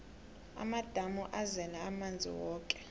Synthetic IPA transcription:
a̰mad̥ʱamuʔazɛlaːmand͡zʱḭwɔːkʼɛ̥

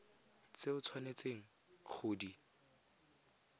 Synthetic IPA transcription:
t͡seʊt͡sʰwanet͡seŋ̩ | k͡xʰʊːdi

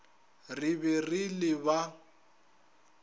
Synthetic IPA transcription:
rɪbɛrɪlɪba

